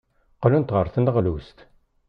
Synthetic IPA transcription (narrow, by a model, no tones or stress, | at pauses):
qəlunt̪ʁəɾˤθənʁlust̪